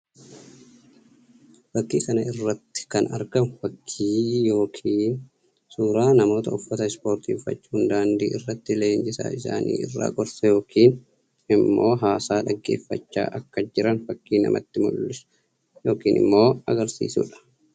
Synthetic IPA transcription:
fɐkːiːkɐnɐɪrːɐt̪ːɪ̥kɐnɐ̰ɾɡɐmfɐkʰːiːjo̞ːkʰiːn | suːɾaːnɐmo̞ːt̪ɐʊfːɐt̪ɐɪspo̞ːɾt̪iːfɐ̰t͡ʃːhʊnd̪aːnd̪ḭːʔɪrːɐt̪ːɪleːnd͡ʒɪsa̰ːɪsa̰ːnʔḭːɪ̰rːa̰ːɡɔɾsɐjo̞ːkiːn | ɪmːo̞ːɦaːsaːᶑɐɡːe̞ːfːɐ̰t͡ʃːa̰ːʔɐkːɐd͡ʒɪɾɐnfɐkːiːnɐ̰mʔɐ̰t̪ːɪmʊ̰lːɪs | joːkiːnʔɪ̰mːo̞ːɐɡɐɾsḭːsṵːᶑɐ̥

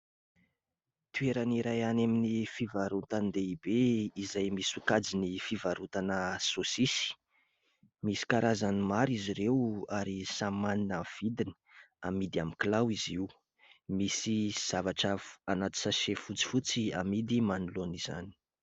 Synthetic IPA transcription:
t̪ueɾaniɾajanaminifivaɾut̪and̪eibeizajmisukad͡zinifivaɾut̪anəsosisi̥ | misi̥kaɾʔazanimaɾiziɾewaɾisamaninəv̥id̪inə̥ | amid̪iamiklawiziw | misiz̥avaʈ͡ʂəfanat̪i̥saʃefut͡si̥fut͡siamid̪imanuloniz̥a̰ni̥

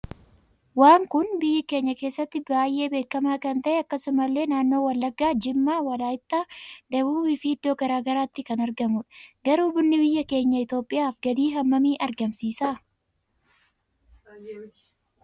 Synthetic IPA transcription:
waːŋkʊnbɪjːɪke̞ːɲːɐke̞ːsːɐt̪ːɪbaːjːe̞ːbe̞ːkːɐmaːkɐnt̪ɐʔɛɐkːɐsʊmɐlːe̞ːnaːnːo̞ːwɐlːɐɡːaːd͡ʒɪmːaːwɐlaːɪt̪ːaːd̪ɐbuːɪfɪɪd̪ːoːɡɐɾaːɡɐɾaːt̪ːɪkɐnɐɾɡɐmʊᶑɐ̥ɡɐɾuːbʊnːɪbɪjːɐke̞ːɲːɐɪt̪o̞ːpʼːɪjaːfɡɐd̪iːɦɐmːɐmiːʔɐɾɡɐmsiːsaː

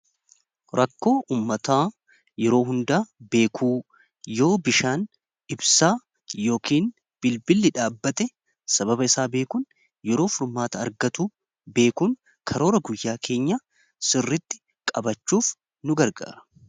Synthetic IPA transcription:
ɾʔɐkːo̞ːʔuːmːɐt̪aː | jɛɾo̞ːɦʊnd̪aːbe̞ːkʰuː | jo̞ːbɪʃaːn | ɪbsaː | jo̞ːkʰiːn | b̥ɪlbɪlːɪᶑaːbːɐt̪ɛ | sɐbɐbɐɪsaːbe̞ːkuːn | jɛɾo̞ːfʊɾmaːt̪ɐɐ̰ɾɡɐt̪uː | be̞ːkuːŋ | kʰɐɾo̞ːɾɐɡʊjːaːkʰe̞ːɲːɐ | sɪrːɪt̪ːɪ̥ | kʼɐbɐt͡ʃːuːf | nʊɡɐɾɡa̰ːɾɐ̥

